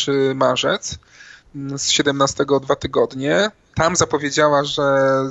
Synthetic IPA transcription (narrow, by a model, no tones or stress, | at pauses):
ɘmaʐɛt̪s | sɕɛd̪ɛmnast̪ɛɡɔd̪vat̪ɘɡɔd̪ɲɛ | t̪amzapɔvʲjed͡ʑawaʐɛ